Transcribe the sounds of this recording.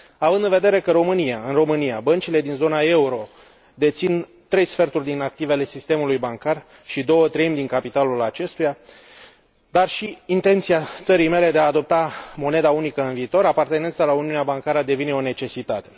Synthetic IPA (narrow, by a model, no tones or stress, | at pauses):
avɨnd̪ɨnve̞d̪e̞ɾe̞kəɾo̞mɨniaɨnro̞mɨnijabənt͡ʃile̞d̪inzo̞nae̞uɾo̞ | d̪e̞t̪sin | t̪ɾe̞jsfe̞rt̪urʲd̪inak̚t̪ive̞le̞sist̪e̞mulujbaŋkar | ʃid̪o̞wət̪ɾeimd̪iŋkapit̪alulat͡ʃe̞st̪uja | d̪arʃiːnt̪e̞nt̪siat̪səɾijme̞le̞d̪e̞aːd̪o̞p̚t̪amo̞ne̞d̪aunikəɨnviːt̪o̞ɾapart̪e̞ne̞nt̪salauniuneabaŋkaɾəd̪e̞vine̞o̞ne̞t͡ʃe̞sit̪at̪e̞